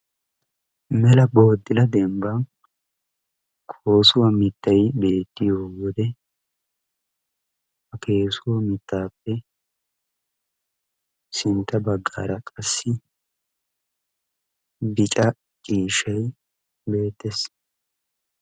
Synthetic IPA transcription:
mɛlɐboːd̪ːɪlɐd̪ɛmbɐ | kʰo̞ːsʊwɐmɪt̪ːɐjbe̞ːt̪ːɪjoːwɔd̪ɛ | hɐkʰe̞ːsʊwɐmɪt̪ːaːpːɛ | sɪnt̪ːɐbɐɡːa̰ːɾɐkʼɐsːɪ | bɪt͡ʃʼɐ | t͡ʃʼiːʃɐj | be̞ːt̪ːes

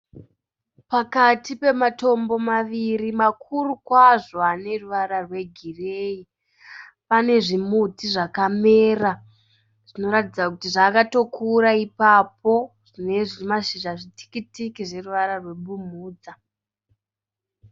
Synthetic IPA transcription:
pakatipe̞mato̞mbo̞maʋiɾimakʰurukwaʐo̞ane̞ruʋaɾarwe̞ɡʱirei | pane̞ʐimutiʐakame̞ːra | ʐ̥ino̞ɾatid͡zakutiʐaːkato̞kʰuɾaipapo̞ʐ̥ine̞ʐimaʃiʒaʐitʰi̥kitikiʐe̞ruʋaɾarwe̞ɓumuːd͡za

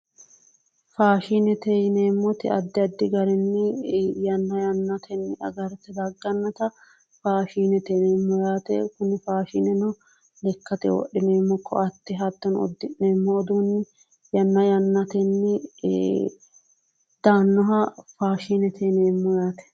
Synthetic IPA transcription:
faːʃinɛt̪ɛjneːmːɔt̪ɪɐd̪ːɪɐd̪ːɪɡɐɾɛnːɪjɐnːɐjɐnːɐt̪ʰɛnːɪɐ̰ɡɐɾt̪ɛd̪ɐɡːɐnːɐt̪ɐ | faːʃiːnɛt̪ɛneːmːɔjaːt̪ɛ̰kʊnɪfaːʃinɛnɔ | lɛkːɐt̪ɛ̰wɔ̰ɗːɪneːmːɔkʰːɔ̰ɐt̪ːɪɦɐt̪ːɔnɔ̰d̪ːɪneːmːɔɔd̪uːnːɪ | jɐnːɐjɐnːɐt̪ɛnːɪ | d̪̥aːnːɔɦɐfaːʃiːnɛt̪ʰɛneːmːɔjaːt̪ɛ̥

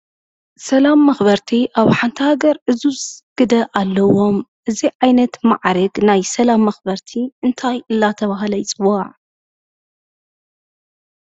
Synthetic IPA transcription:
sɐlamːɐxbɐɾt̪ʰiʔaβħant̪ʰihaɡɐɾʔɨzusɡ̥ɨd̪ɐʔalːɐwo̞mʔɨziʕajnɐt̪maʕɾɨɡnajsɐlamːɐxbɐɾt̪ʰiɨnt̪ʰajʔɨlːat̪ʰɐβaɦlɐjt͡sʼɨwːaʕ

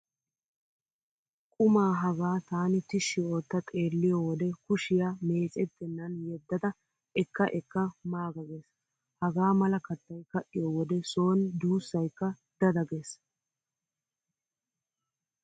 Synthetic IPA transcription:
kʼʊmaːɦɐɡaːt̪aːnɪt̪ɪʃːɪo̞ːt̪ːɐt̪ʼe̞ːlːɪjɔwɔd̪ɛkʊʃɪjame̞ːt͡sʼɛt̪ːɛnːɐnjɛd̪ːɐd̪ɐ | ʔɛkːɐʔɛkːɐmaːɡɐɡeːs | hɐɡaːmɐlɐkɐt̪ːɐjkɐʔɪjɔwɔd̪ɛso̞ːnd̪uːsːɐjkːɐ | d̪̥ɐd̪ɐɡes

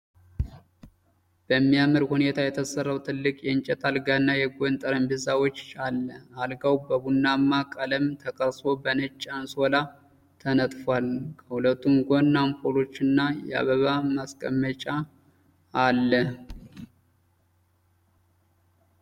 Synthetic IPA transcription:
b̥əmːijaməɾhune̞t̪ʰajɛt̪ʰəsərːawt̪ʰɨlːɨkʼjɛnt͡ʃʼɛt̪ʼalɡanːajɛɡʷont̪ʼəɾəmbɨzawot͡ʃːalːəalɡawbəbunːamːakʼələmt̪ʰəkʼəɾso̞bənət͡ʃʼːanso̞la | t̪ʰənət̪ʼfalkʰəhulət̪ʰːumɡʷonːampʰolo̞t͡ʃːɨnːajɛa̰βəβamaskʼəmːət͡ʃʼaː | lːəh

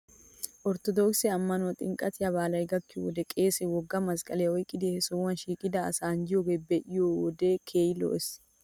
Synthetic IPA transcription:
ʔɔɾt̪ɔd̪oːksɛɐmːɐnʊɐt̪ʼɪŋkʼɐt̪ɪjɐβaːlɐjɡɐkːɪwɔd̪ɛkʼe̞ːsɛwɔɡːɐmɐskʼɐlɛjɔjkʼɪd̪ihɛsowɐnʃiːkʼɪd̪ɐːsaːnd͡ʒɪjoɡebɛʔɪjowɔd̪eːkʰeːjlo̰ːʔɛs

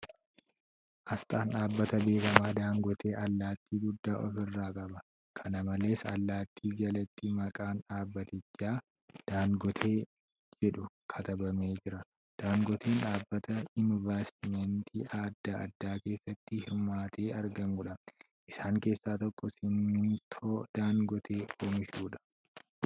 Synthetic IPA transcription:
ʔɐst̪ʼaːnᶑaːbːɐt̪ɐbe̞ːkɐmaːd̪aːŋɡɔt̪ʰe̞ːʔɐlːaːt̪ːiːɡʊd̪ːaːʔɔfɪrːaːkʼɐbɐ | kʰɐnɐmɐle̞ːsɐlːaːt̪ʰːiːd͡ʒɐlɛt̪ːɪmɐkʼaːnaːbːɐt̪ɪt͡ʃːaː | d̪̥aːŋɡɔt̪ʰe̞ː | d͡ʒɛᶑʊkʰɐt̪ɐbɐmeːd͡ʒɪɾɐ | d̪̥aːŋɡɔt̪ʰe̞ːnᶑaːbːɐt̪ɐɪnvaːst̪ɪmɛnt̪ʰḭːʔaːd̪ːaːʔɐd̪ːaːke̞ːsːɐt̪ːɪhɪɾmaːt̪ʰe̞ːʔɐɾɡɐŋɡʊᶑɐ | ʔɪsaːŋke̞ːsːaːt̪ɔkːɔsɪnːɪnt̪ʰoːd̪̥aːŋɡɔt̪ʰe̞ːoːmɪʃuːᶑɐ̥

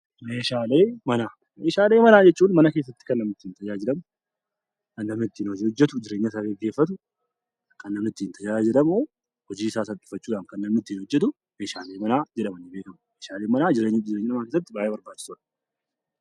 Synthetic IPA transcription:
meːʃaːleːmɐnaː | meːʃaːleːmɐnaːd͡ʒɛt͡ʃːuːnmɐnɐke̞ːs̬ːɐt̪ːɪ̥kɐnːɐmnɪt̪ːɪːnt̪ɐd͡ʒaːd͡ʒɪᶑɐmʊ | kɐnːɐmnɪt̪ːiːnhɔɔd͡ʒːɛt̪ʊd͡ʒɪɾe̞ːɲːɐs̬aːɡɛɡːe̞ːfːɐt̪̬ʊ | kɐnːɐmnɪt̪ːɪːnt̪ɐjaːd͡ʒɪɾɐmoː | hɔd͡ʒiːsaːsɐtʼːʊ̥fɐt͡ʃːuːᶑaːnkɐnːɐmnɪt̪ːɪinhɔd͡ʒːɛt̪̬ʊ | meːʃaːleːmɐnaːd͡ʒɛᶑɐmɐnːɪbeːkɐmʊmeːʃaːleːmɐnaːd͡ʒɪɾeɲd͡ʒɪɾeɲːɪnɐmɐnkeːsɐt̪ːɪbaːʔeːbɐɾbaːt͡ʃːɪ̥suᶑɐ̥

